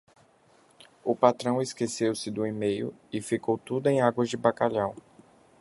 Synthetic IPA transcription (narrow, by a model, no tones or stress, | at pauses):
ʊpat̪ɾɐ̃w̃ɪskesewsɪd̪ʊimejʊ̰ɪfikowt̪ud̪ʊẽj̃aɡwɐzd͡ʒɪbakaʎaw